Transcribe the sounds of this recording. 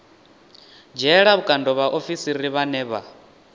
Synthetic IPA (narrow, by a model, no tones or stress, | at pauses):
d͡ʒɛɺaβukʼandɔβaʔofisiɾiβanɛːβa̰